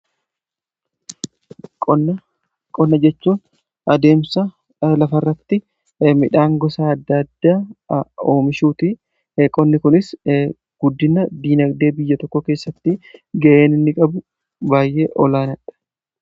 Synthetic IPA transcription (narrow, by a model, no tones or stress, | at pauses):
kʼɔnːɐ | kʼɔnːɐd͡ʒɛt͡ʃːuːn | ʔɐd̪e̞ːmsɐ | lɐfɐrːɐt̪ːɪ | mɪᶑaːŋɡɔsaːɐd̪ːɐd̪ːaːoːmɪʃuːt̪ɪ | kʼɔnːɪkʊnɪs | ɡ̥ʊd̪ːɪnɐd̪iːnɐɡd̪e̞ːbɪjːɐt̪ɔkːɔke̞ːsːɐt̪ːɪɡɐʔe̞ːnɪnːɪkʼɐbʊ | baːjʔe̞ːʔɔlaːnɐᶑɐ̥